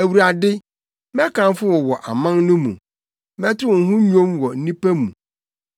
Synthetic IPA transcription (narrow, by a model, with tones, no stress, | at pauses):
æ˨wu˨ɾa˨dɪ˦ | mɛ˦kʰã˨n˦fʊ˦wɔ˨wɔ˨ʔa˨mã˦nnʊ̃˦mṵ̃˨ | mɛ̃˦tɪ˦ʊ˨n̩˨˦ɦʊ̃˦ɲᶣõ˦mwɔ˨n̩˦nĩ˦pæ˦mṵ̃˨